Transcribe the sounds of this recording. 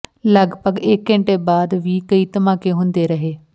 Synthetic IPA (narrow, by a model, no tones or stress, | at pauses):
ləɡbəɡɪkːɪ̃ɳʈeːbaːd̪ʋiːkəiːt̪əmãːkeːɦʊ̃nd̪eːɾəɦeː